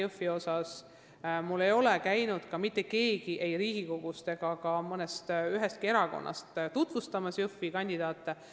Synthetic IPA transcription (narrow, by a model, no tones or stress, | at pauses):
ufːio̞sɑs | mulːe̞jo̞lekæjnud̪̥kɑmit̪ːˑe̞ke̞ːɡiʔe̞jɾiːɡ̥iko̞ɡ̥ust̪e̞ɡ̥ɑkɑmɤnest̪yɦe̞st̪kie̞ɾɑko̞̰nːʔɑ̰st̪t̪ut̪vust̪ɑmɑsjufikɑnʲd̪id̪ɑːt̪ːˑe